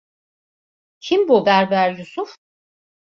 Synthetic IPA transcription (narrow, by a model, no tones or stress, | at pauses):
cʰimbubæɾbæɾlʲusuf